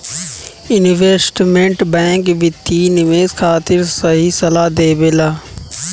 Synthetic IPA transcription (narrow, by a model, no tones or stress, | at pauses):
ɪnʋeːsʈmẽɳʈbɛ̃ːŋkʋɪt̪inɪʋeːzkʰaːt̪ɪɾsɐɦisɐlaːd̪eːbelaː